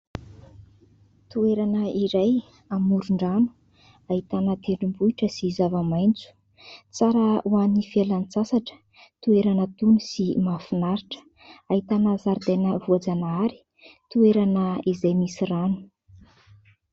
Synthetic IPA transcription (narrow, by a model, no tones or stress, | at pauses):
t̪ueɾanəiɾaj | amuɾuɳɖ͡ʐanu̥ | aɦit̪anət̪eɳɖ͡ʐimbuiʈ͡ʂəsiːzavəmajnt͡su̥ | t͡saɾəwanifialanit͡sasaʈ͡ʂə̥ | t̪ueɾanət̪unusimafunaɾiʈ͡ʂə̥ | aɦit̪anəzaɾd̪enəvuad͡zanaɾi̥ | t̪ueɾanəizajmisiranu̥